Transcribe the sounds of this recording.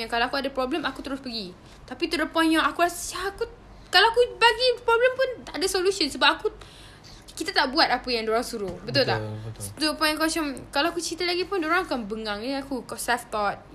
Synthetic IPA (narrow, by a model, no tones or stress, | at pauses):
jaŋkalaakuadapɾɔbləmakut̪əɾʊspəɡi | t̪apit̪udəpɔnjaakuɾasaaku | kalaakubaɡipɾɔbləmpʊnt̪aʔadasolusiɔnsəbap̚aku | kit̪at̪aʔbuat̪̚apajaŋdoɾaŋsuɾuhbət̪ʊlt̪a̰ʔt̪upɔjnaŋkuasɔmkalaakut͡ʃit̪alaɡipʊndoɾaŋakanbəŋaŋiiakukɔsɛft̪ɔt̪̚